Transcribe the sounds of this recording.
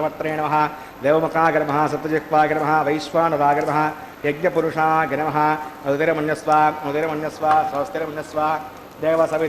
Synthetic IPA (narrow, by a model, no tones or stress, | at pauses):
ɐmɐt̪ɾeːɳɐmɐɦɐ̆ | d̪eːʋɐmɐkaːɡɐɾɐmɐɦɐ̆sɐt̪ʋɐjɐkʋaːɡɐɾɐmɐɦɐ̆ʋɐjʃʋaːnɐɾaːɡɐɾɐmɐɦɐ̆ | jɐɡ̚ɲɐpuɾuʂaːɐɡɐnɐmɐɦɐ̆ɐut̪ɐɾɐmɐnjɐsʋaːɐut̪ɐɾɐmɐnjɐsʋaːsɐst̪jɐɾɐmɐnjɐsʋaː | d̪eːʋɐsɐʋi